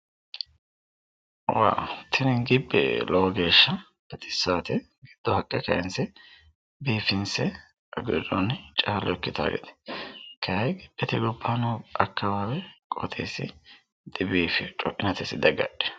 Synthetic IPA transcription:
wa̰ːwt̪ʰɪnɛŋɡɪbːɛ̰lɔwɔɡe̞ːʃːɐ | bɐt̪ɪ̥sːaːt̪ɛ | ɡɪd̪̥ːɔhɐkʼːɛkɐʔɛnsɛ | biːfɪnsɛ | ɐɡʊdɔnːɪt͡ʃʼaːlɔɛkːɪt̪a̰ːɡɛ̰t̪ɛ̥kɐjɐjɡɪᶑːɛt̪ɪɡɔbːaːnɔɐkːɐwaːwɛkʼɔt̪ʰḛːsːɪ̰ | d̪̥ɪbiːfɪt͡ʃʼɔʔɪnɐt̪ɛsɪd̪ɐɡɐ̰ᶑɛ̥

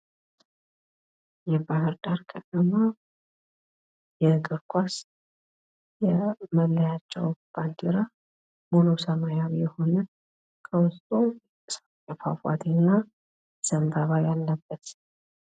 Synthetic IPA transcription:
jɛbahəɾd̪ʼaɾkʰət̪ʰʼəma | jɛɨkʼɨɾkʷʰʼas | jɛməlːəjat͡ʃːɛ̰wb̥ant̪ʰiɾa | monosəmajaβjɛho̞nə | kʰəwʊst̪ʼu | s | jɛfa̰fa̰t̪ʰinːa | səmbaβajalːəbːət̪

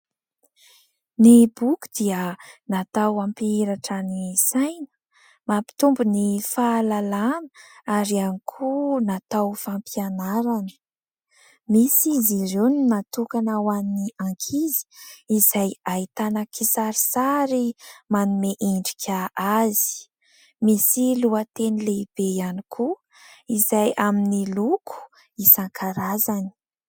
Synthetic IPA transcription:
nebuku̥d̪iənat̪awampiiɾaʈ͡ʂanisajnə̥ | mapi̥t̪umbunifaːlalanə̥aɾianikʰunat̪awfampianaɾanə̥ | misiziruninat̪ukanawanniaŋkʰizi̥izajait̪anakisaɾisaɾimanumeʔiɳɖ͡ʐikʰʲaʔazi̥ | misiluat̪enileib̥ejanikʰu | izajaminilukʰu̥ | isaŋkʰaɾazani̥

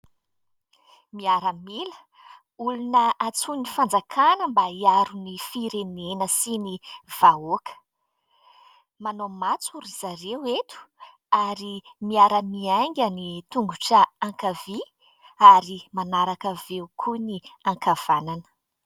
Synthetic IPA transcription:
miaɾəmilə̥ | ulunəʔat͡sunifand͡zakʰanəmbaiaɾunifiɾenenəsiniv̥aokə̥ | manomat͡suɾizaɾewet̪u̥ | aɾimiaɾəmiaŋɡʲanit̪uŋɡuʈ͡ʂəaŋkavi | aɾimanaɾakəveukʰuniaŋkav̥ananə̥

